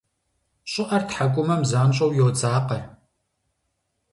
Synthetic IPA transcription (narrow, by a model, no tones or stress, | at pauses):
ɕʼɪʔɐrtħakʷʼʊmɐmzaːnɕʼɐwjowd͡zaːqɐr